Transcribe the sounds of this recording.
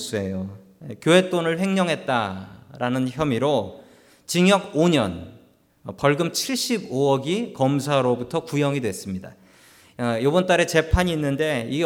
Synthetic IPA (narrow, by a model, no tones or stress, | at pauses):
s͈e̞jo | kjoɦe̞t͈onɯɭɸe̞ŋɲʌŋɦe̞t̚t͈aɾanɯnçjʌmiɾo | t͡ɕiŋjʌɡoɲʌ̰n | pʌɭɡɯmt͡ɕʰiɭɕ͈iboʌɡikʌmsʰaɾobutʰʌkujʌŋidwe̞s͈ɯmɲida̰ | jobʌnt͈aɾe̞t͡ɕe̞pʰaɲiːnːɯnde̞i